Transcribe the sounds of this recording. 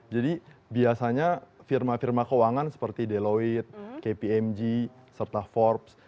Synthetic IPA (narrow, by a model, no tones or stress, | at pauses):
d͡ʒadibiasaɲafirmafirmakowaŋansə̥pərt̪ideloit̪̚kepiɛmd͡ʒi | sərt̪afɔrps